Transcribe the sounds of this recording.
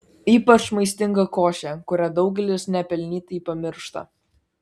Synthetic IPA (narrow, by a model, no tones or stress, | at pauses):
iːpɐt͡ʃmɐɪsʲt̪ʲɪŋɡɐkoːʃʲɛkʊɾʲæd̪ɒʊɡʲɛlʲɪsnʲɛpʲɛlʲnʲiːt̪ɐipɐmʲɪɾʃt̪ɐ̰